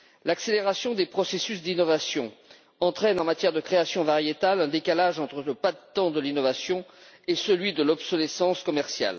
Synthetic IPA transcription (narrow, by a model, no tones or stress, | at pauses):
lakseleʁasjɔ̃d̪epχɔsesysd̪inɔvasjɔ̃ | ɑ̃t̪χɛnɑ̃mat̪jɛʁd̪əkχeasjɔ̃vaʁjet̪alɛ̃d̪ekalaʒɑ̃t̪χələpad̪t̪ɑ̃d̪əlinɔvasjɔ̃ | esəlɥid̪əlɔbsɔlesɑ̃skɔmɛʁsja̰l